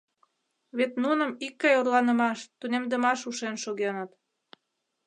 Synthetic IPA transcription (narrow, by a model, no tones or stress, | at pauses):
βet̪nunə̆mikːɑjorlɑnə̆mɑʃt̪unemd̪əmɑʃuʃenʃoɣenət̪